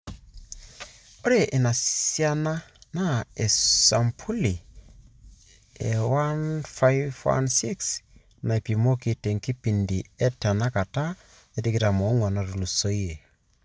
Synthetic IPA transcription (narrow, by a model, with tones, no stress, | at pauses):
o˦ɾe˦ʔe˨na˨ja˦na˦na˦e˨sa˨mpʰu˦li˨ | e˨wa˦nfa˦jvwa̰˦nsi˦ks | na˨e˨pi˨mo˦ki˨te˨ŋki˦pi˨ndi˨ɛ˦ta˨na˦ka˨ta˦ | e˦ti˦ki˦ta˨mɔ˨˦ŋwa˨na˨tu˨lu˨so˦je˨